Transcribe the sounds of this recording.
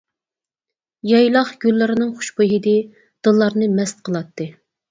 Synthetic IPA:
jɑjlˠɑχɡ̥ʲylːɪɾɪnɨŋχʊ̥ʃboɦid̪ɪ | d̪̥ɨlˠːɑɾnɨmɛst̪̚qʰəlˠɑt̪ʰːɨ

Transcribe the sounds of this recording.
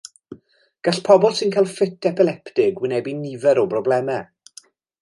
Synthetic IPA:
ɡ̥aɬpʰɔbɔlˠsɪnkʰajlˠfɪtʰɛpʰɪlˠɛptɪɡwɪnɛbinɪvɛɾɔbrɔblɛmɛ

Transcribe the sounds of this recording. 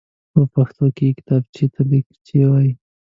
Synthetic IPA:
pəpaxt̪okekɪ̥t̪ɑbt͡ʃet̪ʰalikt͡ʃewaji

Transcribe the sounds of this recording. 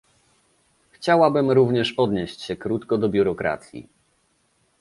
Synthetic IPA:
xt͡ɕawabɘmɾuvɲɛʂpɔd̪ɲeɕt͡ɕɕɛkɾut̪kɔd̪ɔbʲjuɾɔkɾa̰t̪sʲjḭ

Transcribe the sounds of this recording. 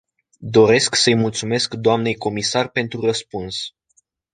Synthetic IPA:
d̪o̞ɾe̞sksəjmult̪sume̞skd̪oamne̞jko̞misarpe̞nt̪ɾurəspuns

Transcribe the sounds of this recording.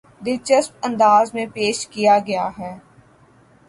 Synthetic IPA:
d̪ɪt͡ʃəsp̚ɐ̃nd̪aːzmẽpeːʃkijaɡɐjaɦɛː

